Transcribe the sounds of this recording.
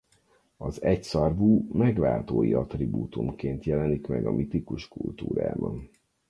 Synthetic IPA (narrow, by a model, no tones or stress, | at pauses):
ɒzɛcsɒrvuːmɛɡʋaːlt̪oːjiɒt̪ribuːt̪umkeːnt̪jɛlɛnikmɛɡɒmʔit̪ikuʃkult̪uːɾa̰ːbɒn